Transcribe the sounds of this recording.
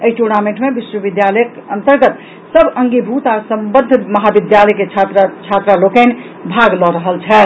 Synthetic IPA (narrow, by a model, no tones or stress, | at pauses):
əɦiʈuɾnameɳʈmebiswəbid̪jaləjkənt̪əɾɡət̪ | səbəŋɡibʱut̪asəmbəd̪ʱməɦabid̪jaləjket͡ʃʰat̪ɾt͡ʃʰat̪ɾalokən | bʱaɡlɔɾəɦəlt͡ʃʰɛ